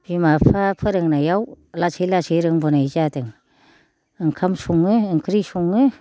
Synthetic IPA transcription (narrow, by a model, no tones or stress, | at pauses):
bimapʰapʰɯɾɯŋnajaw | lasʰɯjlasɯjɾɯŋbɔnajzadɯŋ | ɯŋkʰamsuŋɯɯŋkʰɯɾisuŋɯ